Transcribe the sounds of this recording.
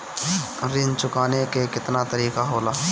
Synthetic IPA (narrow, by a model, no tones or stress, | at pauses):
ɾɪnt͡ʃʊkaːnekekɪt̪nat̪ɐɾiːkaɦoːlaː